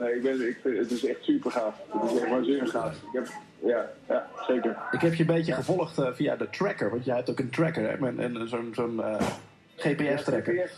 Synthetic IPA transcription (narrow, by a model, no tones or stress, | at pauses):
neːɪk̚bɪnɪkɪətɪsɛχtsypərχaːfətɪsɛxtʋɔlsiːnəsnaːtɪkɛp | jajaseːkəɹɪkɦɛpjənbeːtjəχəvɔlˠəxtəfia̰dətrɛkəɹʋɑntjɛjhɛp̚tokəntrɛkəɹɛ̰mɛnə̰nəsonzonə | χeːpeɛstrɛkə